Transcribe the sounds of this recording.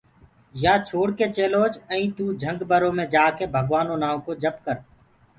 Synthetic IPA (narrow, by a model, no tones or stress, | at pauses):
jaːt͡ʃʰoːɽkeːt͡ʃeːloːd͡ʒə̃ĩːt̪uːd͡ʒʱə̃ŋɡbəɾõːmẽːd͡ʒaːkeːbʱəɡʋaːnõːnaːokoːd͡ʒəpkəɾ